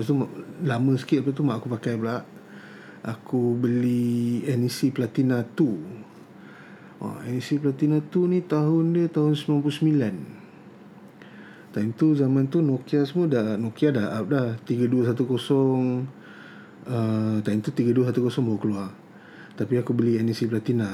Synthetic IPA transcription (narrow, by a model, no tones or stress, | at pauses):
past̪umaʔlamə̃sə̥kit̪̚plaʔt̪umaʔakupakajblaʔ | ʔakubəliɛnisipəlat̪inat̪u | wa̰ɛnisiplat̪inat̪unĩt̪aɦʊndət̪aɦʊnsəmilanplusəmilan | t̪aimt̪uzamãnt̪unokiasəmədanokiadahap̚laht̪iɡaduəs̬at̪ukosɔŋ | ət̪aimt̪ut̪iɡəduəs̬at̪ukosɔŋbaokəluar | t̪apiakubəliɛnisiplat̪ina